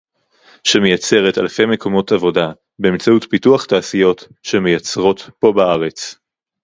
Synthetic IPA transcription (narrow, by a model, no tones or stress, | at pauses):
ʃemejat͡se̞ʁeta̰lfe̞jmeko̞mo̞tavo̞da | beːmt͡sautpituaχtaːsijo̞t | ʃe̞mejat͡sʁo̞tpo̞baaʁe̞t͡s